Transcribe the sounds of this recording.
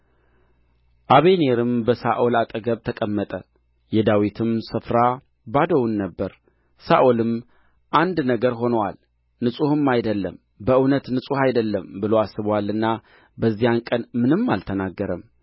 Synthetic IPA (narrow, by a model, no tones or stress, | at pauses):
ʔaβe̞neɾɨmbəsa̰ʔolat̪ʼəɡəβt̪ʰəkʼəmːət̪ʼə | jɛd̪awit̪ʰɨmsɨfɾa | bad̪əwunːəbːəɾ | saʔolɨm | ʔand̪nəɡəɾɦo̞nəwa̰l | nɨsʼuhɨmːajd̪əlːəm | bəʔɨwnət̪nɨsʼuhajd̪əlːəmbɨloasːɨβwalːɨnːa | bəzːijankʼənmɨnɨmːalt̪ʰənaɡːəɾəm